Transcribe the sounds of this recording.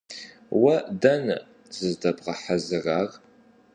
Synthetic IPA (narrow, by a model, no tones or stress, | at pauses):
wɐdɐn | z̥ɨzdɐbʁɐħazɨraːr